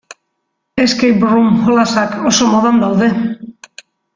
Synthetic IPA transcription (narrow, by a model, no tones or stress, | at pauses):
eskejbɾumholasako̞so̞moðand̪awðe̞